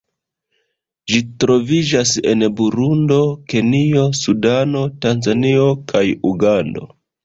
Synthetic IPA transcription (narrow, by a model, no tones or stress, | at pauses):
ʒitɾo̞vid͡ʒase̞̰nbuɾundo̞ke̞nio̞sudano̞tanzanio̞kʰajuɡando̞̰